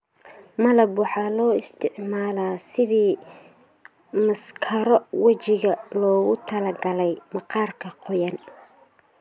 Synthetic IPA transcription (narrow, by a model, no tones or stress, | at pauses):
mɐlɐbwɑħɑːlɔːɪst̪ʰɪʕmaːlaːsɪðiː | mɐskʰɐɾɔwɐt͡ʃɪɣɐlɔːɣʊt̪ʰɐlɐɡɐlɛjmɐqɑːrkʰɐqɔjɐn